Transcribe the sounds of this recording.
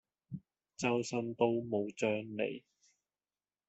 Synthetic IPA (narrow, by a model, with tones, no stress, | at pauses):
t͡sɐ˥wsɐ˥nt̪o˥wmo˨˧wt͡sœː˥ŋlḛ˨˩j